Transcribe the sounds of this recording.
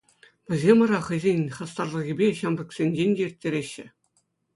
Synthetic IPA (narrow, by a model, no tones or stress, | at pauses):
ʋʲɘ̆zʲemʋɑ̆ɾɑχɤ̆jzʲenʲχɑst̪ɑrlˠɤ̆ɣʲibʲeɕɑmbʲɤ̆ksʲenʲd͡ʑenʲdʲeirʲtʲːeɾʲeɕːɘ̆